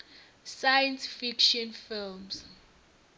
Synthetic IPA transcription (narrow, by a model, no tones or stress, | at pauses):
sajɛnsfikʃɔ̃nfilms